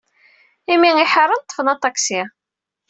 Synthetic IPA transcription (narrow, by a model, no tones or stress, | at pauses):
imiŋiħəɾˤːənt̪ˤːə̥fənɑt̪ˤɑksi